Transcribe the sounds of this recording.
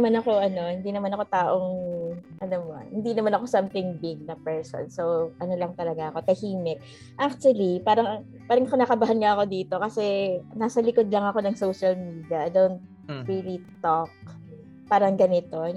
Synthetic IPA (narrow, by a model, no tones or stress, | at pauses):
manɐko̞ʔɐno̞hɪnd̪iːnɐmanɐko̞t̪aːʔoŋʔɐnomo̰hɪnd̪inɐmanɐko̞samt̪ɪŋbɪɡ̚nɐpɛɹso̰nsowʔɐno̞lɐŋt̪ɐlɐɡaʔɐko̞t̪ɐhiːmɛʔ | ʔak̚t̪wɐlipaːɾɐŋ | paːɾɐŋɐkonakɐbaɦanŋaʔɐko̞d̪iːt̪o̞kɐsɛnaːsɐlɪko̞d̪lɐŋɐko̞nɐŋsowʃɐlmiːd̪iɐd̪ownt̪̚ | ɹiːlit̪ok̚ | paːɾɐŋɡɐnɪt̪o̞